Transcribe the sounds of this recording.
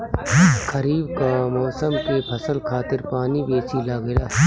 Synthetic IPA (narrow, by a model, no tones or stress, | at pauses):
kɐɾiːbkamɔːsəmkepʰɐsəlkʰaːt̪ɪɾpaːnibeːsilaːɡɪlaː